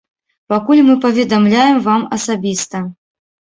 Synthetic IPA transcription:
pakulʲmɨpɐvʲɛd̪amlʲajɛmvamɐsabʲist̪ɐ

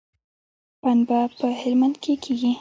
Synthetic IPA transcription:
panbapəhɪlmand̪kʰekʰeɡi

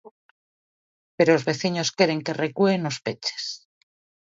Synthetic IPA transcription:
pe̞ɾoːzβe̞θiɲo̞ske̞ɾe̞ŋke̞rekwuenospe̞t͡ʃe̥s

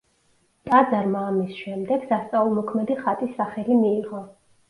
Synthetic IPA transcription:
t̪ʼad̪zaɾmaːmisʃɛmd̪ɛɡ̥sast̪sʼaulˠmɔkʰmɛd̪iχat̪ʼisːaχɛlimiːʁɔ

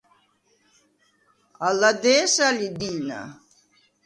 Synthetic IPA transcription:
alad̪ɛsalid̪ina̰

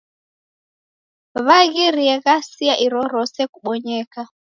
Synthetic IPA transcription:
βaɣiɾiɛɣasiaʔiɾɔɾɔsɛkuɓɔɲɛka

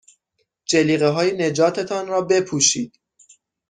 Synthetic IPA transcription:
d͡ʒeliːɣeɦɒːjene̞d͡ʒɒːt̪ʰe̞t̪ʰɒːnrɒːbe̞pʰuːʃiːd̪̥

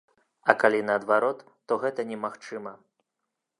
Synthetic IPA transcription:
ɐkalʲinɐːd̪vaɾɔt̪ːɔɣɛt̪ɐnʲɛmaxt͡ʂɨmɐ

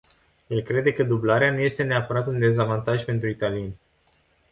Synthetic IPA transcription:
je̞lkɾe̞d̪e̞kəd̪ublaɾeanuje̞st̪e̞ne̞apəɾat̪und̪e̞zavant̪aʒʲpe̞nt̪ɾuit̪alije̞nʲ

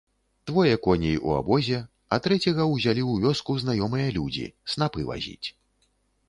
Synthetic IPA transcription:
d̪̥vɔjɐkɔnʲijiʔṵa̰bɔzʲɛ | ɐt̪ɾɛt͡sʲɛɣɐwzʲalʲiuwvʲɔskuznajɔmɨjɐlʲud͡zʲḭsnapɨva̰zʲḭt͡sʲ

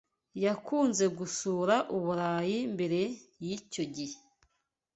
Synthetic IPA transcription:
jakuːnze̞ɡusuːɾaʔuβuɾaːjimbe̞ɾe̞jico̞ɟihe

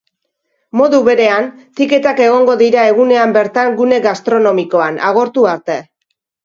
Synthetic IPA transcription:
mo̞ðuβe̞ɾe̞ant̪ike̞t̪ake̞ɣ̞o̞ŋɡo̞ðiɾae̞ɣune̞ambe̞ɾt̪aŋɡune̞ɡast̪ɾo̞no̞miko̞anʔa̰ɣ̞o̞ɾt̪uaɾt̪e

